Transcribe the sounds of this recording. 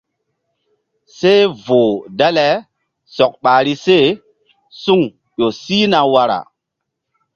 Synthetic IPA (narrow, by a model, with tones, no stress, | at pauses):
se˦vo˨dɛ˦lɛ˦ | sɔ˨k̚ɓa˨ɾi˦se˦˨ | su˦ŋ | ʄo˨siː˦na˨wa˦ɾa̰˨